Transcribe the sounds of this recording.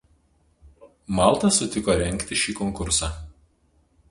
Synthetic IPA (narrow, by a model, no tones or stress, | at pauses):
mɑˑlˠt̪ɐsʊt̪ʲɪkoːɾʲɛŋʲˑkt̪ʲɪʃʲiːkɔŋˑkʊɾsɑː